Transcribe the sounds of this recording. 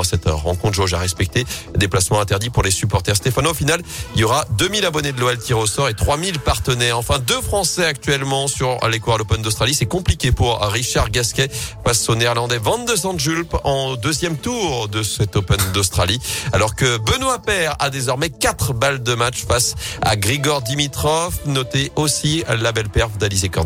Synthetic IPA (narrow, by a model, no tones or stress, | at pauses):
asɛt̪ʁːɑ̰̃kɔ̃t̪χʒɔʒaʁɛspɛk̚t̪ed̪eplasmɑ̃ɛ̃t̪ɛʁd̪ipuʁlesypɔʁt̪ɛʁst̪efanofinaliljɔʁad̪ømilabɔned̪əlɔɛlt̪ʰiʁeosɔʁet̪χwamilpaʁt̪ənɛʁɑ̃fɛ̃d̪øfχɑ̃sɛak̚t̪ɥɛlmɑ̃syʁlekuʁalopɛnd̪ost̪χalisɛkɔ̃plikʲepuʁːiʃaʁɡaskʲɛfasonɛʁlɑ̃d̪ɛvɛ̃t̪̚d̪əzɑ̃d̪ʒylpɑ̃d̪øzjɛmt̪uʁd̪əsɛt̪opɛnd̪ɔst̪χalialɔʁkəbənwapɛʁa̰d̪ezɔʁmɛkat̪χbald̪əmat͡ʃfasa̰ɡʁiɡɔʁd̪imit̪χɔfnɔt̪eʔosilabɛlpɛʁvd̪alizekɔ̰ʁd̪